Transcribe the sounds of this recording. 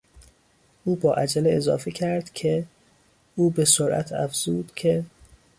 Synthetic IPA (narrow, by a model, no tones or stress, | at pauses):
ʔuːbɒːʔæd͡ʒæleezɒ̰ːfecʰæɾd̪̥cʰe | uːbesoɾʔæ̰t̪ʰæ̰fz̥uːd̪̥cʰe